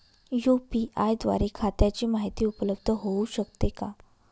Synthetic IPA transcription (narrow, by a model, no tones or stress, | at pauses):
jupiʔajd̪ʋa̰ɾekʰat̪jat͡ɕiːmaɦit̪iːupləbd̪ʱəɦouɕəkt̪eka